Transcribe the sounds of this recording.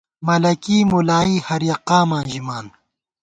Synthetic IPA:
mɐlɐkiːmulaːiːhɐɾjɐqaːmãːnʑimaːn

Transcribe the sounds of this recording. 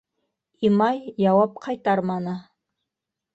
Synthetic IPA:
imɑjːɑwɑp̚qʰɑjt̪ɑɾmɑnɤ

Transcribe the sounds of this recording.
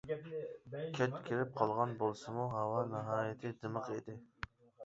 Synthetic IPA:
kʲʰɛt͡ʃkʲʰiɾɪp̚qʰɑlˠʁɑnbolˠsɨmuɦɑwɑnɨɦɑːjɪt̪ʰɪd̪ɨməqed̪ɪ

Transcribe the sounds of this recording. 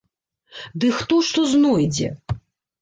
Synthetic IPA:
d̪ɨxt̪ɔʂt̪ɔznɔjd͡zʲɛ̰

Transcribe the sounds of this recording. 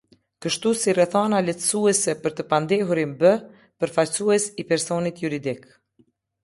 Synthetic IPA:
kəʃt̪usirɛθanalɛt̪əsuɛsɛpəɾt̪əpand̪ɛɦuɾimbə | pəɾfalsuɛsipɛɾsɔnit̪juɾid̪ik

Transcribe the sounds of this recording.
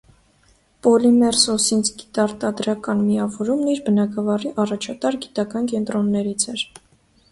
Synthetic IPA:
pɔlimɛɾsɔsint͡sʰɡi̥t̪ɑɾt̪ɑd̪ɾɑkɑnmijɑvɔɾumniɾbənɑɡɑvɑriʔɑrɑt͡ʃʰɑt̪ɑɾɡit̪ɑkɑnkɛnt̪ɾɔnːɛɾit͡sʰɛɾ

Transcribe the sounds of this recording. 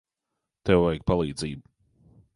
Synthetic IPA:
t̪ɛwvɛjɡ̚palˠiːd̪ziːb

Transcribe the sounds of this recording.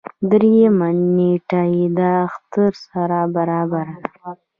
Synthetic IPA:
d̪ɾijamaneʈajed̪aːxt̪əɾsaɾabaɾɑbaɾa

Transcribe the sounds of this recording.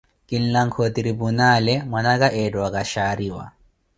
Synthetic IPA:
kinlaŋkʰɔt̪iɾibunalɛmwanaɡaʔɛdɔwakaʃaːɾiwa̰

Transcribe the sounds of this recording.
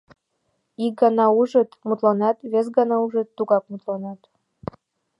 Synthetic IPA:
ik̚ɡɑnɑuʒət̪mut̪lɑnɑt̪βes̬ɡɑnɑuʒət̪ːuɣɑk̚mut̪lɑnɑt̪

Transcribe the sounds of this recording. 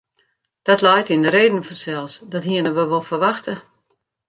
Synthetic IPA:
d̥ɔtlɛjtindəɾeːdən̩fɔnsɛlˠsdɔtɦiənəʋəʋolˠfərʋaxtə

